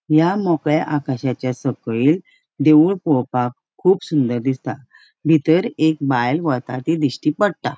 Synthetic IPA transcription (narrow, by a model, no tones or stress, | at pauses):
jamɔkɭjaʔakaɕat͡ɕjasəkɭiːl | d̪eʋuɭpɔɭpakʰːuːpsund̪əɾd̪ist̪a | bʱit̪əɾek̚bajlʋɔt̪a̰t̪id̪iɕʈipəɽt̪a̰